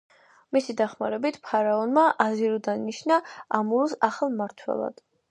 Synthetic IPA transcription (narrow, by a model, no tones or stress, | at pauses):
misid̪aχmaɾɛbit̪ʰpʰaɾaɔnmaʔaziɾɔd̪anniʃnaamuɾusaχalˠmaɾt̪ʰwɛ̰lˠa̰d̪̥